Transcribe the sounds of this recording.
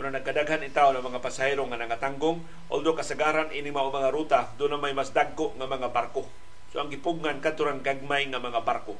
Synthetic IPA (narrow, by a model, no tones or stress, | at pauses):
ʊnanaɡ̚kːadaɡɦanɪt̪awnaŋmaŋapasaeɾoŋanaŋat̪aŋɡʊŋ | ʔo̰ld̪okasaɡaːɾanʔinɪŋmaʔomaŋaɾut̪ad̪ʊnːamajmasd̪aɡ̚ːoʔŋamaŋabarko | soʔaŋɡɪpʊɡŋankad̪t̪ʊɾaŋɡaɡ̚majŋamaŋabarko